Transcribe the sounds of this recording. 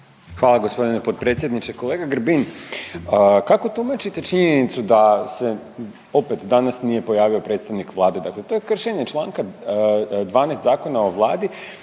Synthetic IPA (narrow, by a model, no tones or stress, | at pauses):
xʋaːlˠaɡo̞spo̞d̪inepo̞t̪̚pɾe̞t̪sʲjed̪nit͡ʃeko̞leːɡaɡɾ̩bin | əkako̞t̪umat͡ʃit̪e̞t͡ʃiɲenit̪sud̪ase̞ | o̞pet̪d̪anasnije̞po̞jaːʋio̞pɾet̪st̪aʋnikʋlˠaːd̪e̞d̪akle̞t̪o̞je̞kr̩ʃeɲe̞t͡ʃlˠaːŋka | d̪ʋaːnest̪zaːko̞nao̞ʋlˠaːd̪i